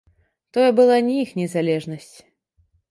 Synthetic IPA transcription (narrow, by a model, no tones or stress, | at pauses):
t̪ɔjɛbɨlˠanʲiixnʲɛzalʲɛʐnɐsʲt͡sʲ